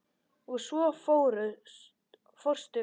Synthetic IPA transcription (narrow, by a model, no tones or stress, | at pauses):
uðsvɔfoːwɾʏ | fɔr̥st̪ʏ